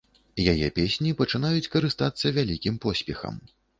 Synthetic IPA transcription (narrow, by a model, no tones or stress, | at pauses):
jajɛ̰pʲesʲnʲipɐt͡ʂɨn̪ajut͡sʲkɐɾɨst̪at̪sːɐvʲalʲikʲimpɔsʲpʲɛxɐ̰m